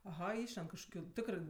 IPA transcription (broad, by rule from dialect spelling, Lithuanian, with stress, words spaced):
ɐˈɣɐ ˈɪʃʲlʲɛnt kɐʃkoːˈkʲuː ˈtʲɪkrɜ